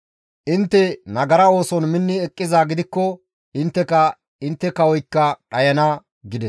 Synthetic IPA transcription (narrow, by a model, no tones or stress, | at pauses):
ʔɪnt̪ːɛnɐɡɐɾɐo̞ːsɔnmɪnːɪɛkʼːɪzaːɡɪd̪ɪkːɔ | ɪnt̪ːɛkɐ | ɪnt̪ːɛkɐwɔjkːɐɗɐjɐnaː | ɡɪd̪ɛs